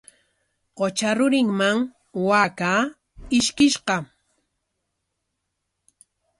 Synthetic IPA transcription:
qot͡ʃaɾʊɾɪŋmaŋ | waka | ɪʃkɪʃɢɑ

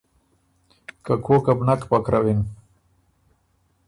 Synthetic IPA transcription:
kakʰokabnakpakɾawin

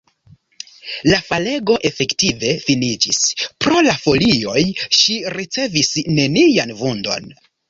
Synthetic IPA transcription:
lafale̞ɡo̞ʔe̞fe̞ktive̞finid͡ʒispɾo̞lafo̞lio̞jʃiɾit͡se̞visne̞nianvundo̞̰n

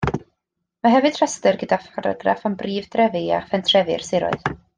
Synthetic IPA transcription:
maɦɛvɨd̥ʰr̥astərɡədafaɾa̰ɡra̰fɔmbriːvdrɛvɪa̰fɛntʰrɛvɪ̰rsɪɾɔ̰ɨð

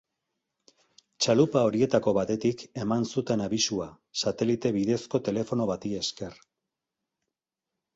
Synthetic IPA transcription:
t͡ʃalupao̞ɾie̞t̪ako̞βat̪e̞t̪ike̞mansut̪e̞naβisua | sat̪e̞lit̪e̞βiðe̞sko̞t̪e̞le̞fo̞no̞βat̪ie̞ske̞r

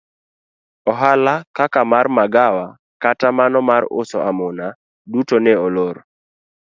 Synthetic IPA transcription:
ɔɦalakakamarmaɡawa | katamanɔmaɾʊ̰sɔ̰ʔamʊna | dutonɛɔloɾ

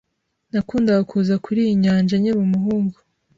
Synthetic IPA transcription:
nakuːndaɡakʰuzakuɾijiɲaːɲd͡ʒaɲimumuɦuːŋɡu̥

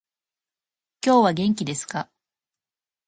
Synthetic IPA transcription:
kʲo̞ːβaɡẽ̞ŋk̬ʲid̪e̞sɨ̥ka

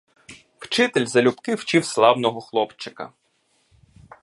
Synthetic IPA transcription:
wt͡ʃɪt̪elʲzɐlʲupkɪwt͡ʃiwslˠɑwnɔɦɔxlˠɔpt͡ʃɪkɐ̰

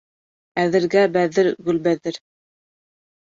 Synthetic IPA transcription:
æðɘ̆ɾɡæbæðɘɾɡɵ̆lbæðɘɾ

